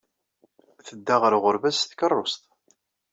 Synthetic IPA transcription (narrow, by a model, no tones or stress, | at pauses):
θəd̪ːaʁəɾʁʊɾvæsθkərˤːost̪